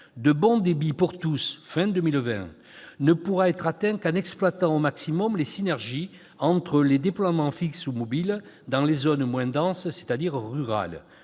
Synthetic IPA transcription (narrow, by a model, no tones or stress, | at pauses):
d̪əbɔ̃d̪ebipuʁt̪usfɛ̃d̪əmilvɛ̰̃ | nəpuʁaɛt̪χat̪ɛ̃kɑnɛksplwat̪ɑ̃omaksimɔmlesinɛʁʒi | ɑ̃t̪χəled̪eplwamɑ̃fiksumɔbil | d̪ɑ̃lezɔnmwɛ̃d̪ɑ̃sse̥t̪ad̪iʁʁyʁa̰l